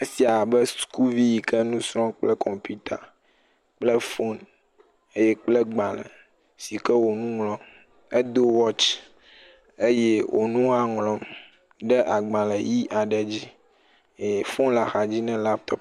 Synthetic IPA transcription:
e˦si˨a˨bɛ˦sku˦vi˦ji˨kɛ˦nũ˦sɾɔ̃˦k͡plɛ˦kʰɔ˨mpi˦t̪a̰˨ | k͡ple˦fo˦n | e˦jɛ˦k͡plɛ˦ɡ͡bã˨lə̰˨ | si˨kɛ˦wo˨nũ˦ŋlɔ̃˦m | e˦d̪o˦wɔ˦t͡ʃ | e˦je˦wʔo̰˨nũ˦a˨ŋlɔ̃˦m | ɖɛ˦ʔa˨ɡ͡bã˨lɛ˨ji˦ʔa˨ɖɛ˨d͡ʑi˦˨ | fo˦nla˨xa˨d͡ʑi˦nɛ̃˦la˦p̚t̪ɔ˦p

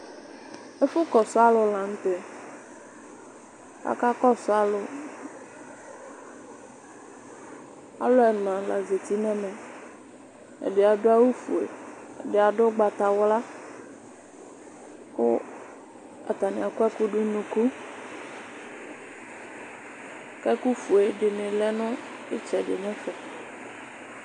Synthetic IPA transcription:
e˦fʊ˦kɔ˨sʊ˦a˦lʊ˨la˨ŋ̩˦t̪e˨ | a̰˨ka˦kɔ˦sʊ˦a˦lʊ˨ | a̰˨lʊ˦ɛ˨nã˨la˨ze˨t̪i˦nɛ̃˦mɛ̃˨ | ḛ˨ɖɪ˨a˨ɖʊ˦a˦wu˦fu˨ḛ˨ | ɖe˨a˨ɖo˦ɡ͡ba˨t̪a˨wla˦ | wo˦ | a̰˨t̪a˨nĩ˨a˨kɛ˦ku˦ɖu˦nũ˨ku˦ | kɛ˦ku˦fu˨e˨ɖe˨nẽ˨lɛ˦nʊ̃˦ | e˦t͡ʃɛ˨ɖe˨ɲɛ̃˦fɛ˨

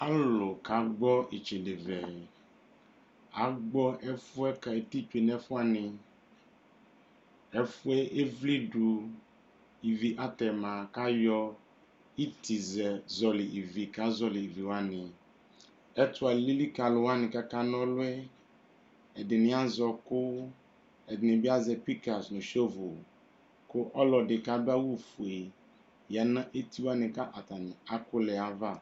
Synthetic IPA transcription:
a˦lo˨ka˨ɡ͡bɔ˦e˨t͡ʃe˨de˨vɛ˨ | a˨ɡ͡bɔ˦ʔɛ˦fu˦ɛ˦ka˨e˨t̪i˦t͡ʃu˦e˨nɛ˦fu˦a˨nɪ̃˨ | ɛ˦fʊ˦ɛ˦ʔe˦vli˦ɖu˨ | i˨vi˨ʔa˦t̪ɛ˨mã˨ka˦jɔ˦ | i˦t̪i˨zɛ˨zɔ˨lɪ˨ʔi˨vi˨ka˨˦zɔ˨li˨i˨vi˨wa˦nɪ̃˨ | ɛ˦tʊ˨˦a˨li˦li˦ka˨lʊ˨wa˦nɪ˨ka˦ka˦n˦ɔ˦lʊ˦ɛ˦ | ɛ˨dɪ˨nɪ̃˨˦a˦zɔ˨kʊ˦ | ɛ˨dɪ˨nɪ˨bɪ˦a˦zɛ˨pi˦ka˨snʊ̃˨ʃo˦vo˨ | kʊ˦ʔɔ˦lɔ˨dɪ˨ka˦bɪ˦a˦wu˦˨fu˨e˨ | ja˨nã˦ʔe˦ti˦wa˦nɪ̃˨ka˦ʔa˨ta˨nɪ˨a˦kʊ˦lɛ˨a˦va˦˨

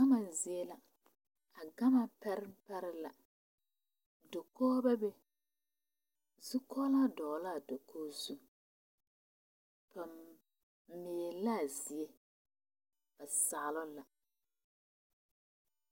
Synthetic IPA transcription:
a˦ma˨zɪ˨e˦la˨ | a˨ɡa˦ma˨pɛ˦ɾɪ˦m˦pɛ˦ɾɪ˦la˨ | do˨kɔː˦bɛ˦be˦ | zu˦kʰɔ˦la˦dɔː˨la˦˨do˨kʰoː˦zu˦ | pa˨m | mɪ˨e˨la˦˨zɪ˨e˦ | ba˨sa˨lʊ˦la˨

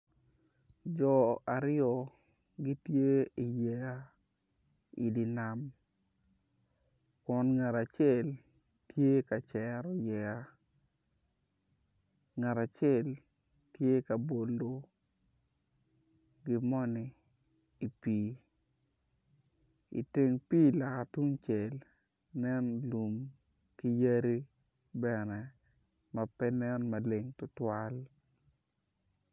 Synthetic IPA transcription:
d͡ʒɔ˨a˨ɾɪ˦jɔ˦˨ | ɡi˦tje˦i˨jɛ˨ja˦ | i˨di˨na˨m | kɔ˨nŋa˨ɾa˨t͡ʃɛ˦˨l | tje˦ka˨t͡ʃɛ˨ɾɔ˨jɛ˨a˦ | ŋa˨ɾa˨t͡ʃɛ˦l | tje˦ka˨bo˨ldo˦ | ɡɪ˦mɔ˦niː˨ | pi˨ | ḭ˨te˨ŋpi˦la˨ka˨tu˦ŋt͡ʃe˨l | nɛ˦nlu˨m | ki˦ja˦ɾi˦ | bɛ˨nɛ˨ | ma˨pɛ˦nɛ˦nma˨le˨ŋtʊ˦twa˦l

